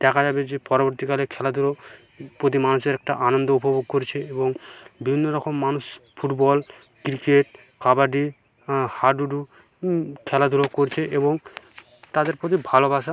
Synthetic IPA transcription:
ɖ̪̥ɛkʰad͡ʑabed͡ʑepɔɾoboɾt̪ikalekʰɛlad̪ʱuɾo | pɾot̪imanuʃeɾɛk̚ʈa̰ʔanond̪oupoboɡ̚koɾet͡ɕʰeeboŋbibʱinːoɾɔkʰomːanuʃfʰuʈbɔl | kɾikeʈ̚ | kabaɖi | haɖuɖu | kʰɛlad̪ʱuɾokoɾet͡ɕʰeʔeboŋ | t̪ad̪eɾpɾot̪̬ibʱalobaʃa

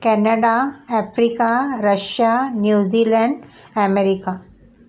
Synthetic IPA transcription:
kɛnəɖaɛfɾikaɾəʃjanjuːzilɛɳɖɛmeɾika

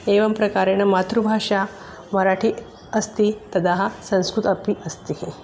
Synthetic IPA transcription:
eʋɐmpɾɐkaɾenəmat̪ɾubʱaʂa | mɐɾaʈʰi | ɐst̪it̪ɐd̪aɦasɐ̃skɾut̪ɐpiʔəst̪iɦ

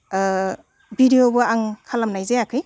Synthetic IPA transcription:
bidijobɯaŋkʰalamnajzeakʰɯj

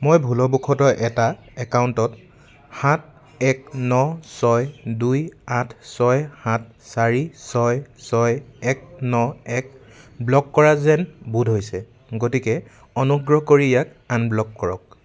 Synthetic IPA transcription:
mojbʱulɔbukʰɔtɔʔɛta | ɛkawntɔt | hat̚ʰ | ɛk̚nɔsɔjdujatʰsɔjhat̚ʰsaɹisɔjsɔjɛk̚nɔɛk̚blɔkːɔɹazɛnbudʱɦojsɛ | ɡotikɛ | ɔnuɡɹɔɦkoɹijak | anblɔkːɔɹɔ̰k̚

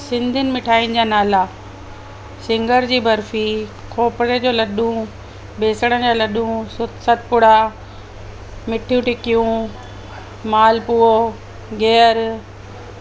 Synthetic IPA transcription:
sɪ̃nd̪ʱɪnɪ̆mɪʈʰaːinɪ̆d͡ʑaːnaːla | sɪ̃ŋɡəɾd͡ʑiːbɐɾfikʰoːpɾed͡ʑoːlɐɗũ | beːsəɽənd͡ʑaːlɐɗũsʊt̪sət̪̚pʊɽa | mɪʈʰijũʈɪkijũ | maːlpuːo | ɡɛːəɾ

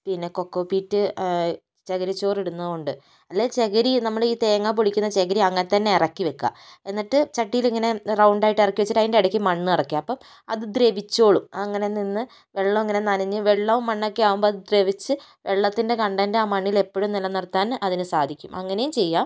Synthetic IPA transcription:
pinːe̞ko̞kːoːpiːtːɨ | t͡ɕeɣɐɾit͡ɕːo̞ːriɽunːɐuɳɖɨ | ɐlːet͡ɕe̞ɣɐɾinɐmːɐɭiːt̪eːɐŋːap̬oɭikʲːunːɐt͡ɕeɣɐɾiɐŋːɐnet̪ːɐnːe̞irɐkːiʋekːa̰ːe̞nːiʈːɨt͡ɕɐʈːijiliŋːɐne̞rɐwuɳɖaːjiʈːirɐkːiʋet͡ɕːiʈːɐjindeɐɽɐkʲːimɐɳːɨirɐkːijaɐpːɐm | ɐ̰ðɨd̪reʋit͡ɕːo̞ːɭumɐŋːɐne̞ninːɨ | ʋe̞ɭːɐiŋːɐne̞naːnɐɲːɨʋe̞ɭːɐʋumːɐɳːokːe̞aːʋumbo̞ːɐðɨd̪reʋit͡ɕːɨʋe̞ɭːɐt̪ːinde̞kɐɳɖɐndeaːmɐɳːile̞pːoɻumnilːɐnirt̪ːaːnɐðinɨsaːd̪ʱikʲːumɐŋːɐne̞jumt͡ɕe̞jːaː

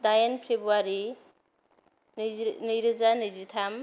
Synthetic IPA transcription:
dajanpʰebuaɾi | nɯjɾɯzanɯzitʰam

